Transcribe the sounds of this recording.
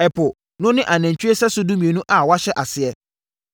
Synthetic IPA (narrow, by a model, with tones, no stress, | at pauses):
ɛ˨pʰʊ˨ | nʊ̃˦nɪ̃˦ʔa˨næ̃˨ɲ˨t͡ɕᶣɥe˦sɛ˦sʊ˦du˦mĩ˨e˨nũ˦ʔa˨wa˦ɕɛ˦ʔa˨sɪ˨ɛ˦